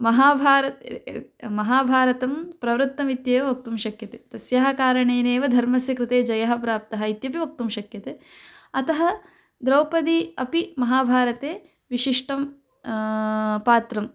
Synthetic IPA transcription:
mɐɦaːbʱaːɾɐt̪ | mɐɦaːbʱaːɾɐt̪ɐmpɾɐʋɾɨt̪ːɐmit̪jeːʋɐʋɐk̚t̪umʃɐkjɐt̪eːt̪ɐsjaɦɐkaːɾɐɳeːneːʋɐd̪ʱɐɾmɐsjɐkɾɪt̪eːd͡ʒɐjɐɦɐ̆pɾaːp̚t̪ɐɦɐit̪jɐpiʋɐk̚t̪umʃɐkjɐt̪eː | ɐt̪ɐɦɐ | d̪ɾɐwpɐd̪iɐpimɐɦaːbʱaːɾɐt̪eː | ʋiʃiʂʈɐm | paːt̪ɾɐm

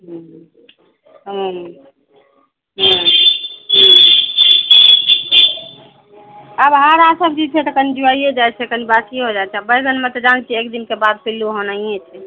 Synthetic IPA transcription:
ɦũɦ | ɦũɦ | ɦə̃ | ɦə | əbɦaɾasəb̚d͡ʒid͡ʒt͡ʃʰɛt̪əkənid͡ʒuaijed͡ʒajt͡ʃʰɛkənibakiɦod͡ʒajt͡ʃʰɛabəjɡənmet̪ɔd͡ʒant͡ʃʰiekd̪inkebad̪̚pʰilːuɦonaijet͡ʃʰɛ

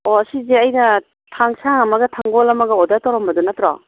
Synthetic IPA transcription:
ɔɐsizeɐjnɐ | tʰaŋsaŋɐmɐɡɐtʰaŋɡɔlɐmɐɡɐɔdatawɾɔmbɐdunɐtɾɔ̰

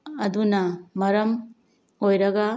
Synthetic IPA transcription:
ɐdunɐmɐɾɐm | ojɾɐɡɐ

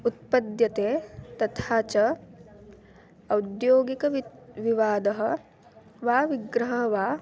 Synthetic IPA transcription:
ut̪̚pɐd̪jɐt̪eːt̪ɐt̪ʰaːt͡ʃɐ | ɐwd̪joːɡikɐʋiʋaːd̪ɐɦɐ̆ | ʋaːʋiɡɾɐɦɐʋaː

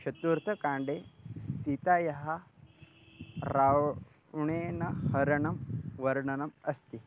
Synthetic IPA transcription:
ʃɐt̪uːɾt̪ʰɐkãːɳɖesit̪aːjɐɦɐ | ɾa | ɳeːnɐhɐɾɐɳɐmʋɐɾɳɐnɐmɐst̪i

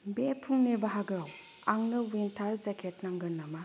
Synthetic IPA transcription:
bepʰuŋnebaɦaɡaw | aŋnɯwentʰaɾd͡ʒakʰet̚naŋɡɯnama

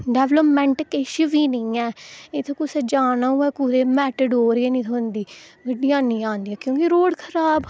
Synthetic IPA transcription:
ɖɛːʋləpmɛ̃ɳʈkeʃʋiːnəĩːɛːet̪ʰõːkʊsɛːd͡ʒaːnaːuːɛːkuɾeːmɛːʈəɖoːɾieːnĩːt̪ʰːnd̪iːɡəɖijãːnĩːãːnd̪iːɛːkjõːkiɾoːɽkʰəɾaːb

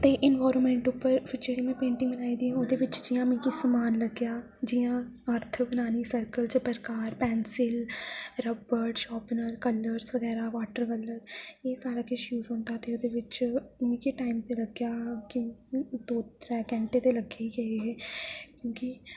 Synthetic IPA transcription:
t̪eːʔɪnʋaːɾnmẽːɳʈʊpːəɾpʰɪɾd͡ʒeːɽimẽpẽːɳʈɪ̃ŋbənaːĩd̪iːɦɛ̃oːd̪eʋɪt͡ʃd͡ʒɪjãːmĩkisəmaːnləɡjaː | d͡ʒɪjãːəɾt̪ʰʋɪnaːnisəɾkəlt͡ʃəpəɾkaːɾpɛːnsɪlɾəbbəɾɖʃɔːpnəɾkəlːəɾsʋəɡɛːɾaʋaːʈəɾkələɾjeːsaːɾakeʃjuːzɦõːnt̪aɛt̪eoːd̪eʋɪt͡ʃmĩkiʈaːɪmt̪eləɡjaːkid̪oːɾɛːkɛ̃ːɳʈet̪eləɡeiɡəeɦɛːkjõːki

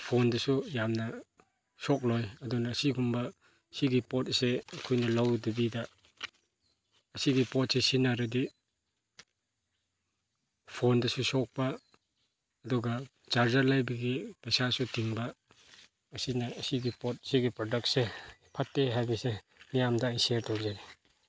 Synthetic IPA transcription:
pʰondɐsujamnɐ | sɔk̚lojɐdunɐːsiɡumbɐ | siɡipɔt̚seɐkʰojnɐlawdubidɐ | siɡipɔt̚sesinaɾɐdi | pʰondɐsusɔk̚pɐː | dɔɡɐ | t͡ʃaɾd͡ʒɐɾlajbɐɡipejsasutiŋbɐː | sinɐɐsiɡipɔt̚siɡipɾɔdɐk̚sepʰatːeɦajmise | nijamdɐinsieɾtʰɔkzani

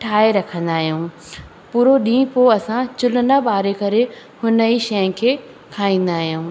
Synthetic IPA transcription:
ʈʰaːeɾɐkʰə̃nd̪aːɦijũː | puːɾoɗĩːpoɐsãt͡ɕʊlənaɓaːɾekɐɾe | hʊnəiʃɐjə̃n̆kʰeː | kʰaːĩːn̆d̪aːɦijũː

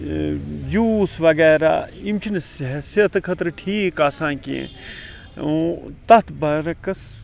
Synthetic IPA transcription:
juːsʋɐɡɛːɾa̰ːimt͡ʃʰinssɐt̪ɨkʰɐt̪ɾɨʈʰiːkasãːkḛ̃ | t̪ɐt̪ʰbɐɾɐkɐs

